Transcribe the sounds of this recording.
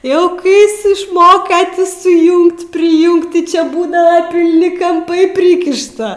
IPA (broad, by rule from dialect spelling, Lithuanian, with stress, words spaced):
ˈjɛʊ ˈkɐɪ ˈjɪs ɪʃˈmoːkɐ ˈtʲɪ sʊˈjʊŋkt pʲrʲɪˈjʊŋkt tʲɪ t͡ʃʲɛ ˈbuːdɐʋɐ pʲɪlʲˈnʲɪ kɐmˈpɐɪ ˈpʲrʲiːkʲɪʃtɐ